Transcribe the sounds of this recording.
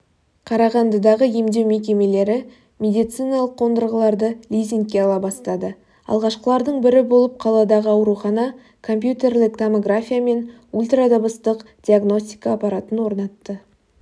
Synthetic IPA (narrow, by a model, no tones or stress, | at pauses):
qʰɑɾɑʁɑnd̪əd̪ɑʁəje̞md̪e̞wme̞k̬ʲe̞me̞le̞ɾɪ | mʲe̞d̪ijt̪sɨjnɑlˠəqʰːo̞nd̪əɾʁəlˠɑɾd̪əlʲijzʲiŋ̚kʲːe̞ɑlˠɑbɑst̪ɑd̪ə | ɑ̰lˠʁɑʃqəlˠɑɾd̪əɴbɪɾɪbolˠəp̚qʰɑlˠɑd̪ɑʁəɑwɾuχɑnɑ | kʰo̞mpjut̪ʲe̞rlɪkt̪ʰomoɡrafʲijame̞n | ulʲt̪rad̪obəst̪əqd̪̥ʲiaɡno̞sʲt̪ʲijkaːpɑɾat̪ənwo̞ɾnɑt̪ːə